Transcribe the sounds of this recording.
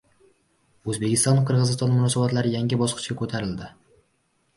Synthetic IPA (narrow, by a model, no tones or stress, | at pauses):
ɵzbe̞kʲʰɪst̪ɒnqʰɨɾʁɨzɪst̪ɒnmʊnɒsabat̪laɾɪjaŋʲɪbɒsqɨ̥t͡ʃkʲakʰɵt̪ʰaɾɪld̪ɪ